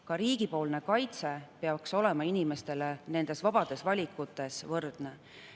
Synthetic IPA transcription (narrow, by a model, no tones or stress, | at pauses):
kɑɾiːɡ̥ipo̞ːlne̞kɑjt̪se̞peɑkso̞le̞mɑinime̞st̪e̞lene̞nd̪̥e̞svɑb̥ɑd̪̥e̞svɑlʲikːˑut̪ːˑe̞svɤrd̪̥ne